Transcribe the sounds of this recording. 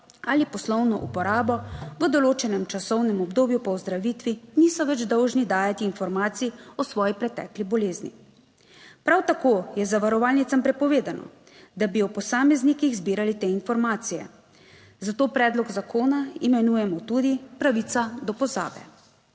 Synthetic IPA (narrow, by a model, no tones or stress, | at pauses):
alipɔslɔwnɔʔṵpɔɾaːbɔʋəd̪ɔloːt͡ʃɛnɛmt͡ʃasɔwnɛmɔbd̪oːbjupɔwzd̪ɾaʋit̪ʋinisɔʋɛd͡ʒd̪ɔwʒnid̪aːjat̪iːnfɔɾmaːt̪siɔsʋɔːjipɾɛt̪ɛ̰ːklibɔleːznḭ | pɾawt̪akoːjɛzaʋaɾɔʋaːlnit̪sampɾɛpɔʋeːd̪anɔ̰ | d̪abiɔpɔsaːmɛznikiɣzbiːɾalit̪eːinfɔɾmaːt̪sijɛ̰ | zat̪oːpɾɛːd̪lɔɡzakʰoːnaimɛnuːjɛmɔt̪ud̪ipɾaʋit̪sad̪ɔpɔza̰ːbɛ̰